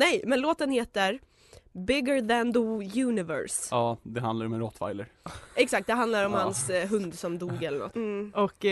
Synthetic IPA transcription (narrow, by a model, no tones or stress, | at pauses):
nɛjmɛnloːt̪ənheːt̪əɾ | bɪɡəðændəjʉːnɪvɛ̰ɾsɑːd̪ɛɦa̰nd̪laɾɔmɛɾɔt̪ːfa̰jləɾɛksak̚t̪̚d̪ɛɦand̪laɾɔmhansɦɵnd̪sɔmd̪uːɡɛlːəɳɔ̰t̪ːɔk